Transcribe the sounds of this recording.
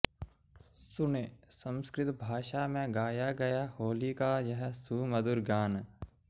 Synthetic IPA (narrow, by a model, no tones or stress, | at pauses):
sʊnesə̃mskɾɪt̪bʱaːʃamẽɡaːjaɡɐjahoːlikajɐɦɛsuːməd̪ʊɾɡaːn